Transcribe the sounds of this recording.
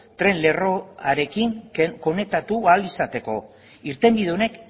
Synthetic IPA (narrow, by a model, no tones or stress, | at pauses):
t̪ɾe̞nle̞roaɾe̞kiŋko̞ne̞t̪at̪ualisat̪e̞ko̞̰ | iɾt̪e̞mbiðeo̞ne̞k